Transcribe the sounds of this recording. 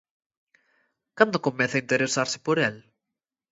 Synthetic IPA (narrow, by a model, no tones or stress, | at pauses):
kand̪okomɛθaint̪eɾesaɾsɪ̥poɾɛl